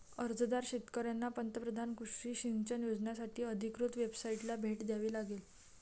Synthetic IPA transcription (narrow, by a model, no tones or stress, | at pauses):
əɾd͡zd̪aɾɕet̪kəɾjanːapənt̪əpɾəd̪ʱankuʂʈiːɕiŋɡt͡ɕanjod͡znasaʈʰiːəd̪ʱikɾut̪ʋebsaiʈlabʱeʈd̪jaʋiːlaɡel